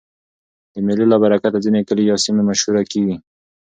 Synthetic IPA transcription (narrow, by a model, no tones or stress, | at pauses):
d̪əmɪlolabaɾakat̪azinekəlejɑsimemaʃhuɾakiɡi